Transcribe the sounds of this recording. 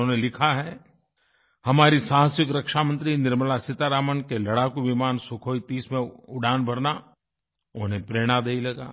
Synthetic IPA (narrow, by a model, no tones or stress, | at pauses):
õːnelɪkʰaɦɛː | hɐmaːɾisãːɦə̃swɪkɾɐkʃamə̃nt̪ɾinɪɾmlasɪt̪aɾaːmənkelɐɽakuʋɪmaːnsʊkʰoːit̪iːsmẽʊɖʱaːnbʱɐɾna | ʊɦnɦẽpɾeːɽ̃ad̪eilɐɡa̰ː